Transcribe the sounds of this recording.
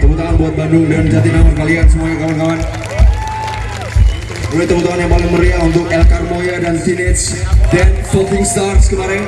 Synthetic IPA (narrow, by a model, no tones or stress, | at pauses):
k̪əbut̪awanbuat̪̚bandʊŋdand͡ʒat̪it̪nawankaliɦat̪̚səmuaɲakawankawan | bulat̪ːəbut̪uɦanjaŋpalɪŋməɾiaunt̪ʊk̚ɛlkarmojadantinɪt̪s | danfɔlt̪ɪŋst̪arskəmaɾɪn